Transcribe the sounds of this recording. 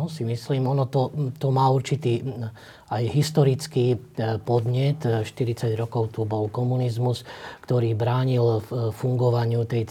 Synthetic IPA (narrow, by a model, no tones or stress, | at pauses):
ɔsimisliːmɔnɔt̪ɔt̪ɔmaːuɾt͡ʃit̪iː | ajɦist̪ɔɾit͡skiːpɔd̪ɲɛt̪ʃt̪iɾit͡saɟɾɔkɔʊt̪ubɔlkɔmunizmuskt̪ɔɾiːbɾaːɲilfuŋɡɔʋaɲɪut̪ɛj